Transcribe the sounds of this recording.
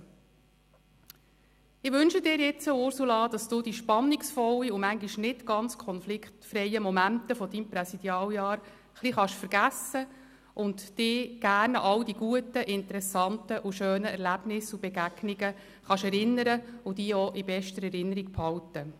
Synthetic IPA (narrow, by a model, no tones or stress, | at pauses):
ɪʋʏnʃədɪːɾjɪt͡səʊɾsulɑd̥̪ɑsd̥uːd̥iʃpɑnːiksfɔlːiumæŋɡiʃnɪtɡ̥ɑnt͡skʰɔnflɪkχtfɾɛjəmɔmæntəfɔd̥̪impɾɛsid̥̪jɑːljɑːɾ | χliχɑʃfəɾɡæsə | ʔʊntd̥ɪːɡ̥æːrnʔɑwdiɡ̥uətəʔɪntəɾɛsɑntəʔuʃøːnəɛɾlæb̥nɪsub̥ɛɡæɡ̥niɡə | χɑʃɛɾɪnːəɾəʊd̥iːɔʔibɛʃtəɾɛɾɪnːəɾik̚pʰhɑwtə